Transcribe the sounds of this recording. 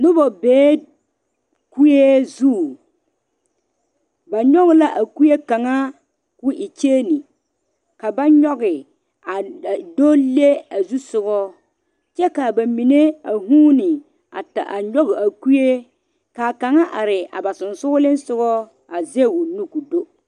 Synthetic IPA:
nʊ˦bɔ˨beː˨˦ | ku˦je˦zuː˦˨ | ba˨ɲɔ˦ɣɪ˨˦la˦ʔa˨ku˦je˦ka˨ŋa˦ | kʊ˦ʔɪ˨t͡ʃeː˦ni˨ | ka˨ba˦ɲɔ˦ɣɪ˨ | a˨do˦le˦a˨zu˦sʊ˦ɡɔ˦ | t͡ʃɛ˦ka˨ba˨mi˨ne˦a˨ɦuː˦nɪ˨ | a̰˨ta˨ʔa˨ɲɔ˦ɣɪ˨a˨ku˦je˦ | ka˨ka˨ŋa˦ʔa˨ɾɪ˨a̰˨ba˨sʊ˨nsʊ˦ʊ˦lɪ˦n˦sʊ˦ɣɔ˦ | a˨ze˦˨wʊ˨nu˦ku˨do˦

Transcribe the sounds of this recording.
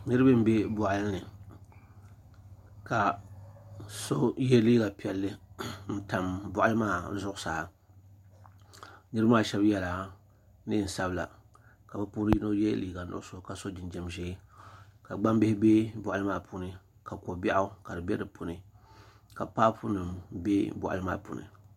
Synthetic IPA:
nɨ˦ɾɨ˦bɨ˦m˦be˦bʊ˨ʔa˨lɨ˦nɨ˨ | ka˨ | so˦jɛ˦liː˦ɡa˨pi˨ɛ˨lːɨ˦n̩˦ta˨mbʊ˦˨ʔa˦lɨ˦maː˦˨˦zʊ˦ʔʊ˦saː˨ | nɨ˦ɾɨ˦maː˦˨ʃɛ˦bjɛ˦la˨ | nɨ˦˨n̩˨sa˦bla̰˨ | ka˨bɨ˦puː˦ɾɨ˦ji˦no˦jɛ̰˦liː˨˦ɡa˨nʊ̰˨ʔʊ˦so˦ka˨so˦d͡ʒɪ˨nd͡ʒɛ˦mʒɛː˦ka˨ɡ͡ba˦mbɪ˦hɪ˦be˦bʊ˨ʔa˦lɨ˦maː˦˨pu˦nɨ˨ | ka˨ko˨ba˦ʔʊ˦ka˨dɨ˨bɛ˦dɨ˨pu˨nɨ˨ | ka˨paː˦pu˦nɨ˨mbe˦bʊ̰˨ʔa̰˨lɨ˦ma̰ː˦˨pṵ˨nɨ̰˨

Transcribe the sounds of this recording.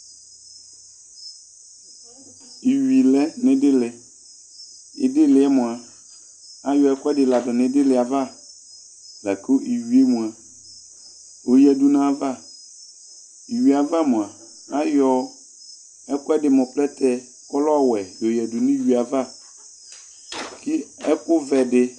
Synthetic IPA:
i˨ɥi˨lɛ˦nɪ̃˦dɪ˦lɪ˨ | ɪ̰˨dɪ˦lɪ˨ɛ˦mʊ̃˨a˨ | a˦jɔ˨ɛ˦kɛ˦dɪ˨la˨dɔ˨nɪ̃˨dɪ˦lɪ˨a˨va˦ | la˨kʰo˦ʔi˨ɥi˨e˦mũ˨a˨ | o˨jɛ˨du˨nã˦a˦˨va˦˨ | i˨ɥi˨a˨va˦mʊ̃˨a˨ | a˦jɔ˨ | ɛ˦kʊ˦ɛ˦dɪ˨mɔ̃˨plɛ˦t̪ʰɛ˦ | kɔ˦lɔ˦a˦˨wɛ˨jo˨jɛ˨du˨nĩ˦ɥi˨a˨va˦˨ | ki˦ɛ˦kʊ˦vɛ˨dɪ˦

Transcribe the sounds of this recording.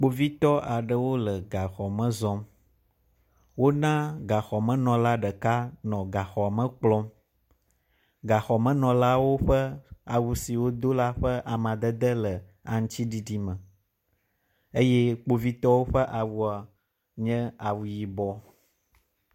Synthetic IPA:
k͡po˨vi˦t̪ɔ˦ʔa˨ɖə˨wo˦lə˨ɡa˨xɔ˨mə̃˦zɔ̃˦m | wo˦nã˦ɡa˨xɔ˨mə̃˦nɔ̃˨la˦ɖə˨ka˦nɔ̃˨ɡa˨xɔ˨mə̃˦k͡plɔ̃˦m | ɡa˨xɔ˨mə̃˦nɔ̃˨la˦wo˦ɸə˦a˨wu˦si˨wo˦d̪o˦la˦ɸə˦ʔa˨mã˨d̪ə˦d̪ə˦lə˨a˨ŋ̩̃˦t͡ɕi˦ɖi˦ɖi˦mə̃˨ | e˦jɛ˦k͡po˦vi˦t̪ɔ˦wo˦ɸə˦ʔa˨wu˦a˨ | ɲɛ̃˦a˨wu˨ji˨bɔ˦

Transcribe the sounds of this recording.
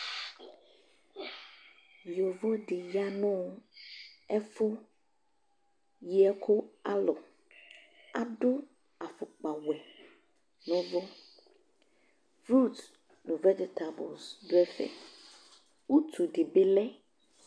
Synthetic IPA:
jo˨vɔ˦ɖe˨ja˦nɔ̃˦ | ɛ˦fo˦ | ji˦ɛ˦kʰo˦a˦lɔ˨ | a˨ɖo˦ | a˨fo˨k͡pa˨wɛ˨ | nɔ̃˦vo˦ | fɾu˦˨t̪ | nũ˨vɛ˦d͡ʒe˨t̪a˨bɔ̰˨sdo˦ɛ˦fɛ̰˦ | wu˦t̪ʰu˨ɖe˨be˦lɛ˦

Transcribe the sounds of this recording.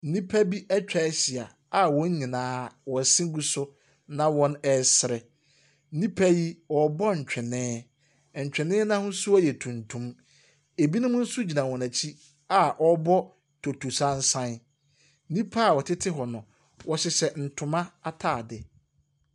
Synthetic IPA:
n̩˦nĩ˦pʰæ˦bi˦ʔɛ˦t͡ɕᶣa˨˦ɕi˨a˨ | a˨wɔ̃˨˦ɲĩ˨nãː˦wɔ̃˨sɪ̃˦ɡu˦sʊ˦ | nã˨wɔ̃˦nɛ˨sɪ˨ɾɛ˨˦ | nĩ˦pʰa˦ji˦wɔ˨bɔ˦ɲ̩˨t͡ɕᶣɪ˨nɪ̃ː˦˨ | ɲ̩˨t͡ɕᶣɪ˨nɪ̃ː˦nã˦hʊ̃˦sʊ˦a˦jɛ˨tʰũ˨ntʰũ˦m | e˨bi˦nʊ̃˦mʊ̃˦n̩˦su˦d͡ʑi˨nã˨wɔ̃˨næ˨t͡ɕʰi˦ | a˨ʔɔ˦bɔ˦ | tʰo˨tʰu˨sã˦n̩˦sã˦n˦ | nĩ˦pʰa˦a˦˨wɔ˨tʰɪ˦tʰɪ˦ɦɔ˨nʊ̃˨ | wɔ˦ɕɪ˦sɛ˦n̩˨tʰʊ̃˨mã˦a˦tʰaː˦˨dɪ˨

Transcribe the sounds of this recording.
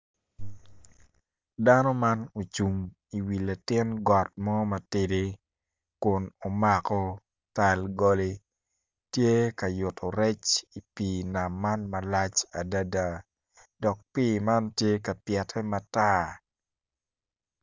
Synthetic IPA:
danɔ˦ma˦no˨t͡ʃu˨m | i˨wi˨la˨tɪ˦nɡɔ˨t̚mɔ˦ma˨tede˦ | kʊ˨no˨ma˨kɔ˦ | ta˨lɡɔ˦le˦ | tje˦ka˨jʊ˨tʰɔ˨ɾɛ˦t͡ʃi˨piːna˨mːa˦nmɐ˨lat͡ʃa˨da˦da˨ | dɔ˨k̚pima˦ntje˦ka˨pjɛ˨tʰɛ˦mata˦

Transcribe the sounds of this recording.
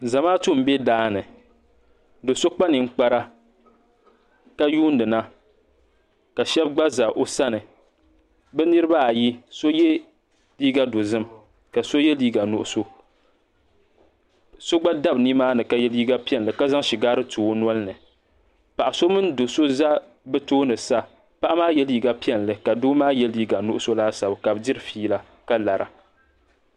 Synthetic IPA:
za˨maː˦tu˦˨m̩˦bɛ˦daː˦nɨ˨ | dɨ˨so˦k͡pa˦nɨ˨ŋ̩˦k͡pa˦ɾa˦ | ka˦juː˦ndɨ˨na˦ | ka˨ʃɛ˦b̚ɡ͡ba˦za˨ʔo˦sa˦nɨ˨ | bɛ˦nɨ˦ɾɨ˦ba˦a˨ji˦so˦jɛ˦ | liː˦ɡa˦do˨zɨ˦m | ka˨so˦jɛ˦liː˦ɡa˨nʊ̰˨ʔʊ˨so˦ | so˦ɡ͡ba˦da˦bni˦maː˦nɨ˨ka˨jɛ˦liː˦ɡa˦pi˦ɛ˦˨n˨ɨ˨ka˦za˦ŋʃi˨ɡaː˦ɾɨ˦tuː˨o˦n˦ɔ˦lɨ˦nɨ˨ | pa˨ʔa˨so˦mɨ˦ndo˨so˦za˦ | bɛ˦toː˦nɨ˨sa˦ | pa˦ʔa˦maː˦jɛ˦liː˦ɡa˦pi˦ɛ˨n˨lɨ˨ka˨doː˦maː˦jɛ˦liː˦ɡa˨nʊ˦ʔʊ˦so˦laː˦sa˨bka˨bɨ˨˦dɪ˦ɾɨ˦fiː˦la˨ | ka˦la˨ɾa̰˨

